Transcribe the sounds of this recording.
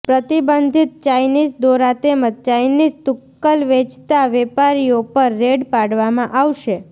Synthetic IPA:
pɾət̪ibənd̪ʱit̪̚t͡ʃajnid͡ʒd̪oɾat̪emət̪̚t͡ʃajnizt̪ukːəlʋet͡ʃʰt̪aʋɛpaɾiopəɾːeɽpaɽʋamãʔaʋʃe

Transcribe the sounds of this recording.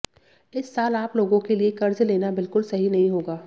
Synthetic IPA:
ɪsːaːlaːploːɡõkeliekɐɾzleːnabɪlkʊlsɐɦinɐɦĩɦoːɡaː

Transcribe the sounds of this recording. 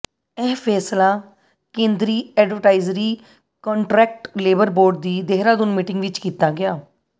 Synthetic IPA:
ɛːpʰɛːslaː | kẽːnd̪ɾiːɛːɖʋəʈaːɪzɾiː | kɔ̃ːɳʈɾɛːk̚ʈleːbəɾboːɾɖd̪iːd̪eːɦɾãːd̪ʊnmiːʈɪŋɡʋɪt͡ʃkiːt̪aːɡɪjaː

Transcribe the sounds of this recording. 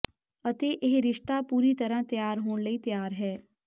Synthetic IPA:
ɐt̪eʔeɦɾɪʃt̪apuːɾit̪ɐɾãt̪jaːɾɦoːnləit̪jaːɾɦɛː

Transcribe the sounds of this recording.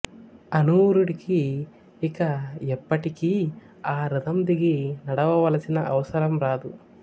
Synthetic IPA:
ɐnuːɾuɽikiː | kɐɛpːɐʈiki | aːɾɐd̪ɐmd̪iɡinɐɽɐʋɐʋɐlɐsinɐʔɐʋɐsɐɾɐmɾaːd̪u

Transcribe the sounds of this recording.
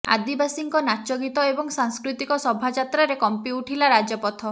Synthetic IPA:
a̰d̪ibasiŋkɔnat͡ʃɔɡit̪ɔebɔŋsaŋskɾut̪ikɔsɔbʱad͡ʒat̪ɾaɾekɔmpiuʈʰilaɾad͡ʒɔpɔt̪ʰɔ

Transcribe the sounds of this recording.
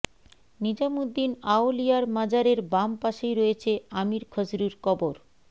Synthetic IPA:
nid͡ʑamud̪ːinaolijaɾmad͡ʑaɾeɾbampaʃejɾojet͡ɕʰeamiɾkʰɔd͡ʑɾuɾkɔboɾ

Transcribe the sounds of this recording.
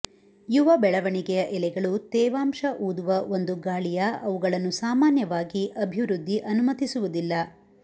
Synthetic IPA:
juʋɐbɛɭɐʋɐɳiɡɛjɐʔɛlɛɡɐɭut̪ɛːʋaːmʃɐʔuːd̪uʋɐʔo̞nd̪uɡaːɭijɐɐʋuɡɐɭɐnːusaːmaːnjɐʋaːɡiʔɐbʱiʋɾud̪ʱːiʔɐnumɐt̪isuʋud̪ilːɐ

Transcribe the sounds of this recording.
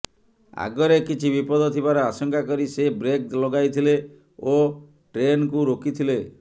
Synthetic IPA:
a̰ɡɔɾekit͡ʃʰibipɔd̪ʱɔt̪ʰibaɾɔasɔŋkakɔɾisebɾek̚lɔɡajt̪ʰile | o | ʈɾenkuɾokit̪ʰile

